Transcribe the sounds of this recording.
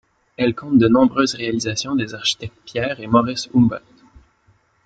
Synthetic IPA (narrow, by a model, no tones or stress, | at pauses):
ɛlkɔ̃t̪̚d̪ənɔ̃bʁøzʁealizasjɔ̃d̪ezaʁʃi̥t̪ɛk̚t̪̚pjɛːʁemɔʁisumbɔ̰lt̪